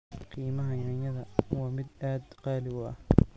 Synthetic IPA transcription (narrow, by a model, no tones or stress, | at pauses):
qiːmɐɦɐjɐnjɐðɐwɑːmɪd̪aːd̪qɑːlɪɣʊɐ̰h